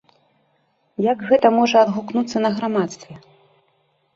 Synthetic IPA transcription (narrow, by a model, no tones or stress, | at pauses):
jaɡɣɛt̪ɐmɔʐɐːd̪ɣuknut̪sːɐnɐɣɾamat̪st̪vʲɛ